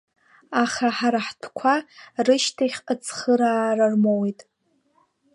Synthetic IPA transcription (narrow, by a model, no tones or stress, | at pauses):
aχaħaɾaħtʰkʷʰarɨʃtʰaχʲət͡sʰχəɾaːrarmowejtʼ